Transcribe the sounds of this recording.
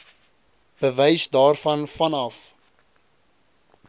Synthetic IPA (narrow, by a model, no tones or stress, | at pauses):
b̥əvɛjsdɑːrfɐnfɐnɐf